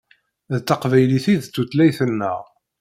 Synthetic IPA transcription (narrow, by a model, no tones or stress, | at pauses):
ðt̪ːɑqvæjliθiðt͡s̪ːut̪læjθənːə̰ʁ